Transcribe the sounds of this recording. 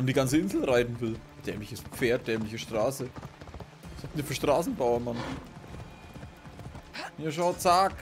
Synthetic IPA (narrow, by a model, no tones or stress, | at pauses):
mndiːɡant͡səɪnzl̩ʁaɪtn̩vɪl | d̥ɛːmlɪçəspp͡feːɐt̚d̥ɛːmlɪçəʃtʁ̥aːsə | saːk̚diːɐfyːɐʃtʁ̥aːsn̩baʊɐman | miːɐʃ̬aʊt͡saːk